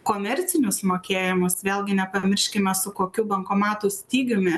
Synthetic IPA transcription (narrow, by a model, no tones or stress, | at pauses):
koːmʲɛɾʲt̪sʲɪnʲʊsmoːkʲeːjɪmʊsʋʲeːlˠʲɡʲɪnʲɛpɐmʲɪɾʲʃʲkʲɪmʲɛsʊkoːkʲuːbɐŋkoːmɑːt̪uːsʲt̪ʲiːɡʲʊmʲɪ